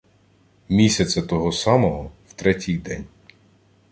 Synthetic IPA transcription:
mʲisʲɐt̪t͡s̪ʲɐt̪ɔɦɔsɑmɔɦɔwt̪ɾɛtʲijd̪ɛ̰nʲ

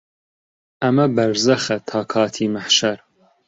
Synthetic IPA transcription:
ʔɐmɐbɐɾzɐxɐt̪ʰɑːkʰɑːt̪ʰiːmɐħʃɐɾ

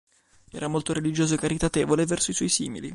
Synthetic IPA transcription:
ɛ̰ːɾamolt̪oɾelid͡ʒoːzoekːaɾit̪at̪eːvolevɛrsoiswɔjsiːmḭlḭ

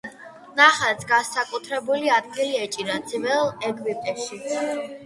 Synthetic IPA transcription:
naχɛt̪sʰɡasakʼut̪ʰɾɛbuliad̪ɡiliɛt͡ʃʼinad̪zivɛlˠɛɡvipʼɛʃi

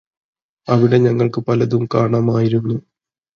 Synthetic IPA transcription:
ɐʋiɽe̞ɲɐŋːɐɭkɨpɐlɐðumkaːɳaːmaːjiɾunːu

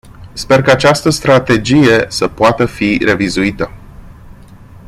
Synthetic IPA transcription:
spe̞rkaat͡ʃast̪əst̪ɾat̪e̞d͡ʒije̞səpoat̪əfiɾe̞vizuit̪ə

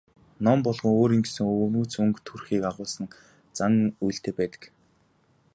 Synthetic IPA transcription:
nɔmpɔɮʁɞ̆ŋoːɾiːŋɡsɘ̆ŋonuːt͡sɵŋkt̪ʰurxiːkaʁʊːsə̆n | t͡saŋujɬt̪eːpæːt̪ə̥̆k

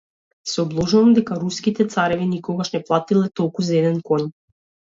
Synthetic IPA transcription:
sɛɔblˠɔʒuvamd̪ɛkaɾuskit̪ɛt̪saɾɛvinikɔɡaʃnɛplˠat̪ilɛt̪ɔlˠkuzaɛd̪ɛnkɔɲ

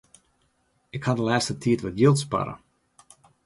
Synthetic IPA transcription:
ɪkhadəlaːstətʰiətʋɔtjɪlˠtspɑ̰ɾə̰

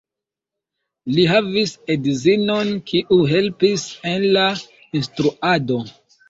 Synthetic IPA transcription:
liɦavisedzino̞nkʰiʔuɦe̞lpise̞nla | instɾuado̞

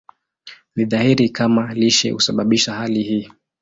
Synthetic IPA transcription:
niðahiɾikʰamaliʃɛ̰husaɓaɓiʃahalihiː

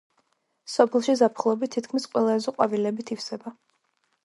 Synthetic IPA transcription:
sɔpʰɛlˠʃizapʰχlˠɔbit̪ʰːit̪kʰmisqʼwɛlˠaɛzɔqʼwavilɛbit̪ʰifsɛba

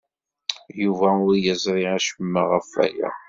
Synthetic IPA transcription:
juvæʊɾjəzˤɾˤiaʃəmːəʁəfæ̰jæ̰

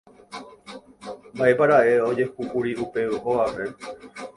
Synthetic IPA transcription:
mbaʔe̞paɾaʔe̞o̞d͡ʒe̞kuʔuɾiupe̞uʔoʋaʋe

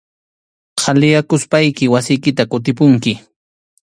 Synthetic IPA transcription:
qʰɑlɪjakʊspajkɪwasɪjkɪt̪akʊt̪̬ɪpʊŋkɪ

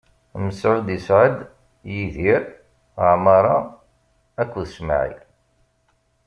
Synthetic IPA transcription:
məsʕʊd̪isʕəd̪ | jiðiɾ | əʕmɑɾˤɑ | ækʷːðəsma̰ʕḭ

